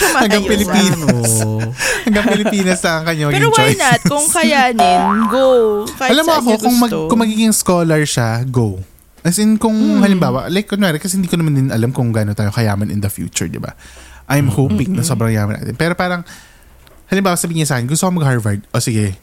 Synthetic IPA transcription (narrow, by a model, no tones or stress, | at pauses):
hɐŋɡɐŋpɪlɪpiːnɐshɐŋɡɐŋpɪlɪpiːnɐsɐkɐɲːamɐɡwojnɐkʊŋkɐjanonɡoʔɐlamːoʔɐkokʊŋmɐɡkʊmɐɡiːɡɪŋskoːlɐɹʃaɡow | ʔɐsɪnkʊŋhɐlɪmbaːwɐ̰ʔlajkʔonɛːɾɪkɐsɛhɪnd̪iːkonɐmand̪ɪnʔɐlamkʊŋɡanot̪aːjokɐjaːmɐnʔɪ̰nd̪ɐfjṵːt͡ʃʊ̰ɹd̪ɪ̰ba̰ʔajmhoːpɪŋnɐsobɾɐŋja̰ːmɐna̰ːt̪ɪ̰npɛːɾo̞paːɾɐŋ | hɐlɪmbaːwɐsɐbiːɪɲɐsaːkɛnɡʊst̪okomɐɡ̚haɹvɐɹd̪̚ʔoːsɪɡɛ